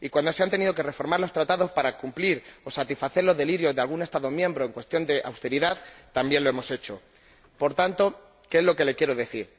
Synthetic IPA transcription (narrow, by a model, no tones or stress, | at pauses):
ikwand̪oseant̪e̞nið̞o̞ke̞re̞fo̞ɾmaɾlo̞st̪ɾat̪aðo̞spaɾakumpliɾo̞sat̪isfaθe̞ɾlo̞zðe̞liɾjo̞zðe̞alɣ̞une̞st̪aðo̞mjẽ̞mbɾo̞eŋkwe̞st̪jo̞nd̪e̞ʔa̰wst̪e̞ɾiðaðt̪ambje̞nloemo̞se̞t͡ʃo̞ | po̞ɾt̪ant̪o̞ | keezlo̞ke̞le̞kje̞ɾo̞ðe̞θiɾ